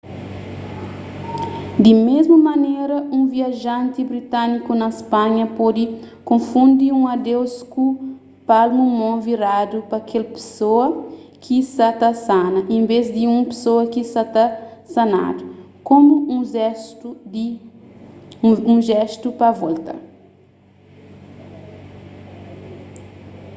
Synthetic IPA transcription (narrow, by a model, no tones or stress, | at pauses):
d̪imezmɐmɐneɾɐũviaʒãnt̪ibɾit̪ãnikunɐispãɲɐpɔd̪i | kõfũnd̪iũɐd̪ewsku | palmumõviɾad̪upɐkʰelpe̥soɐkisat̪ɐsanɐʔẽmbezd̪iũpe̥soɐkisat̪ɐsɐna̰d̪u | kõmuũzɛst̪ud̪i | ũʒɛst̪upɐvɔlt̪ɐ̰